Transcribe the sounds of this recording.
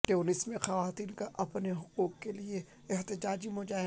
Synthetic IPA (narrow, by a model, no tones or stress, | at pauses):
ʈeoːnɪsmẽxaʋaːt̪iːnkaʔɐpneɦʊquːqkelie | ɛɦt̪ɪd͡ʒaːd͡ʒimʊd͡ʒaːɦ